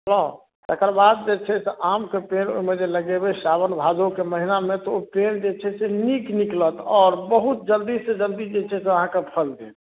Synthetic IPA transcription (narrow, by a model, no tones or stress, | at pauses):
ɦəlo | t̪ekəɾbad̪̚d͡ʒet͡ʃʰɛseʔamkepeno̰imed͡ʒeləɡebesabənbʱad͡ʒokeməɦinamet̪ɔopend͡ʒet͡ʃʰɛsenikniklət̪ɔːɾbəɦut̪̚d͡ʒəld̪issed͡ʒəld̪isd͡ʒet͡ʃʰɛseəɦãkepʰəld̪ḛt̪